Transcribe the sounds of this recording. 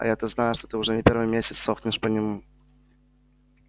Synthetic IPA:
ɐ̰jat̪əznajʊʂt̪ot̪ɨʊʐɛnʲɪpʲeɾvɨjmʲesʲɪt̪soxnʲɪʂpənʲɪmu

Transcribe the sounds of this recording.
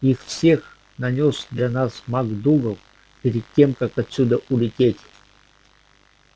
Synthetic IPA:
ixfsʲe̞x | nɐnʲosd̪lʲanasmaɡd̪uɡəf | pʲɪɾʲɪd̪̚ʲtʲːe̞mkakɐt̪sʲud̪əʔulʲɪtʲetʲ

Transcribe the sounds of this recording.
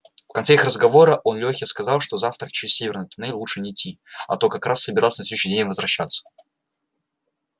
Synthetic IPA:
fkɐnt̪seixrəzɡɐvo̞ɾəʔo̞nlʲoxʲəskɐzalˠʂt̪ozaft̪ɾət͡ɕɪɾʲɪsʲːevʲɪrnəɨjt̪ʊnejlˠuʂɨnʲɪːtʲːi | ɐ̰t̪okɐkɾasːəbʲɪɾalˠsʲnɐfʲsʲeʉɕnʲɪdʲenʲmvəzvɾɐɕːat̪sːə̥

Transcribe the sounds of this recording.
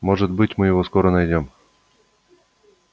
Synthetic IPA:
moʐɨt̪bɨtʲmɨjɪvoskoɾənɐajdʲom

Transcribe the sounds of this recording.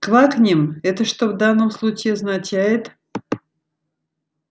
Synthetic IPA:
klaknʲɪmɛt̪əʂt̪ovd̪anːəmslˠut͡ɕɪɐznat͡ɕæjɪt̪

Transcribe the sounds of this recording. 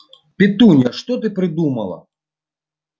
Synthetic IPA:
pʲɪt̪unʲɐʂt̪ɔt̪ɨpɾɨd̪umɐlˠɐ̰

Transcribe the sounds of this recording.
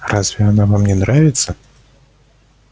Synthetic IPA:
razvʲijanavamnʲɛnɾavʲit̪sːɐ

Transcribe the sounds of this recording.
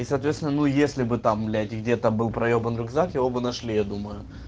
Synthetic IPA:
isɐːt̪vʲet̪sʲɪnənujesʲlʲɪbɨt̪amlʲetʲɪɡdʲe̞t̪əbɨlˠpɾɐjobənɾʊɡzakjɪvo̞bɨnɐʂlʲijad̪uməjʊ

